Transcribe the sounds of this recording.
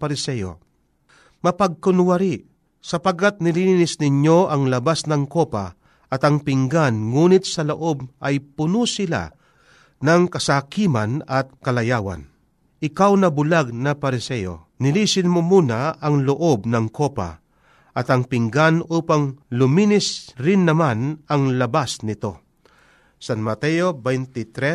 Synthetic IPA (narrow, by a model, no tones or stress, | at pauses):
pɐɾɪsɛjo̰ | mɐpɐɡ̚kʊnwɐɾi | sɐpɐɡ̚kːat̪̚nɪliːninɪsnɪɲo̞ʔɐŋlɐbasnɐŋkopa̰ | ʔɐt̪ɐŋpɪŋɡanŋuːnɪt̪̚sɐloʔo̞b̚ʔɐjpʊnusɪla̰ | nɐŋkɐsakiːmɐnɐt̪̚kɐlɐjaːwɐ̰n | ʔɪkawnɐbʊlaɡ̚nɐpɐɾɪsɛjo̰ | nɪliːsɪnmomuːnɐɐŋlʊʔo̞bnɐŋko̞pa̰ | ʔɐt̪ɐŋpɪŋɡanʔuːpaŋlʊmiːnɪsɾɪnːɐmanɐŋlɐbasnɪt̪o̞ | sanmɐt̪ɛjobɛjnt̪ɪt̪ɾɛ